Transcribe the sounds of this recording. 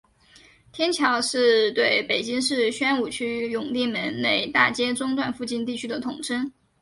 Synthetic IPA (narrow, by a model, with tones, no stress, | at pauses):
t̪ʰjɛ˥nt͡ɕʰjɑ˧˥ʊʂɻ̩˥˧t̪we˥˩ɪpe˨˩ɪt͡ɕi˥ŋʂɻ̩˥˩ɕɥɛ˥nu˨˩t͡ɕʰy˥jʊ˨˩ŋli˥˩mə˧˥nne˥˩ɪt̪a̰˥˩t͡ɕjɛ˥ʈ͡ʂʊ˥ŋt̪wa˥˧nfu˥˧t͡ɕi˥˧nt̪i˥˩t͡ɕʰy˥d̪ə˨t̪ʰʊ˨˩ŋʈ͡ʂʰə˥n